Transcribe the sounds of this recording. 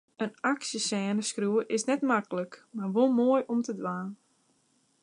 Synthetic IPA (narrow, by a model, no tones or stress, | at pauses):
ənaksjəsɛːnəskruəʔɪsnɛtmakələkmarʋolˠmoːəjɔmtədʋaːn